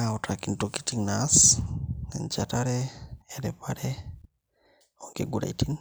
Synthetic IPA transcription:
aotakintoki̥tiŋnas | ent͡ʃataɾeeɾepaɾe | oŋkeɡuɾa̰itin

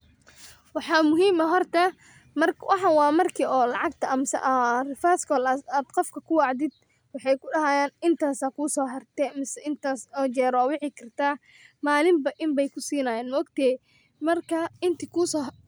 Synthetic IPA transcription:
wɑħɑːmʊɦiːmɐɦɔrt̪ʰɐ | mɐrwɑħɑwɑːmɐrkʰiːɔːlɑʕɑɡt̪ʰɐɐmsɐ̰ʔrɪfaːskʰɔːlaːd̪qɔfkʰɐkʰʊwɑʕd̪ɪd̪̚ | wɑħɑjkʰʊɖɐɦaːjaːnɪnt̪ʰaːsaːkʰuːsɔːɦɐrt̪ɛmɪsɐʔɪnt̪ʰaːsɔːt͡ʃɛːɾɔːwɑħɪkʰɐrt̪ʰaː | maːlɪmbɐʔɪmbɛjkʰʊsiːnaːjaːnmɔɡt̪ʰɛː | mɐrkʰɐɪnt̪ʰiːkʰusɔː

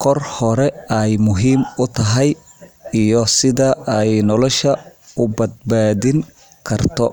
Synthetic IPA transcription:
kʰɔrhɔɾɛɛjmʊɦiːmʊt̪ʰɐɦɛjijɔsɪðɐɛjnɔlɔʃɐʊbɐd̪̚baːðɪŋ | kʰɐrt̪ʰɔ

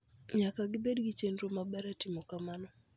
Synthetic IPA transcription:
ɲakaɡɪbedɡɪt͡ʃendɾomabɛɾatɪmɔkamanɔ

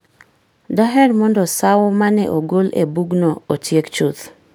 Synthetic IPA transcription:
daɦɛɾmɔndɔsawɔmanɛ̰ʔoɡolḛbuɡnɔot͡ʃjekt͡ʃut̪

